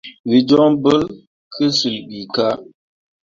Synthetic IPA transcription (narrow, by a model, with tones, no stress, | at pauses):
wi˨d͡ʒɔ˦ŋbə˦l | kʰə˦sɨ˨lbi˨ka˦